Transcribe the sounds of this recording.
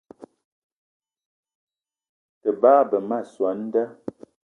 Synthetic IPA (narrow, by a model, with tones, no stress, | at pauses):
tə˨baː˦bə˨ma˦˨swa˨˦n̩˦də˦